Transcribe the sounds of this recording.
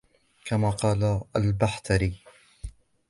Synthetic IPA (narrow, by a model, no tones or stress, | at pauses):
kamaːqɑːlaalbaħt̪ʰaɾiː